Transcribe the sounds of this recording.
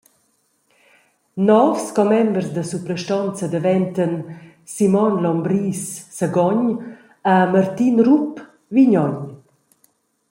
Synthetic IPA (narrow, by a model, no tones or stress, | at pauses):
nɔfskɔmɛmbrsd̪əsupɾɛʃtɔnt͡səd̪əvɛnt̪ən | simɔnlɔmbɾisːaɡɔɲ | amart̪inrup | viɲɔɲ